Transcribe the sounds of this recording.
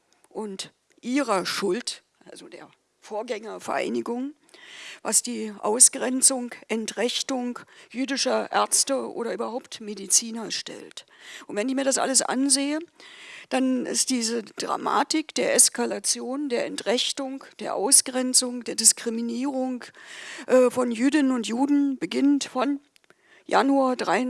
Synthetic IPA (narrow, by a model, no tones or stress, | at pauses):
ʔʊnt | ʔiːʁɐʃʊlt | ʔa̰lzodḛːɐ | foːɐɡɛŋɐfɛɐɐʔa̰ɪnɪɡʊŋ | vasd̥iːʔa̰ʊsɡ̥ʁɛnt͡sʊŋʔɛntʁɪçtʊŋkjyːdɪʃɐʔɛɐt͡stəʔo̰ːɾɐʔyːbɐhaʊptmedit͡siːnɐʃtɛ̰ltʔʊntv̥ɛnɪçmiːɐɾasʔa̰ləsʔa̰nzeːəd̥anɪ̰std̥iːzəd̥ʁa̰ma̰ːtɪkd̥eːɐʔɛskalat͡sjoːndeːɐʔɛntʁɪçtʊŋkd̥eːɐʔa̰ʊsɡ̥ʁɛnt͡sʊŋd̥eːɐdɪskʁ̥iminiːʁʊŋkʔɛːfɔnjyːdɪnənʊntjuːdn̩b̥əɡɪntfɔn | ja̰nuadʁaɪ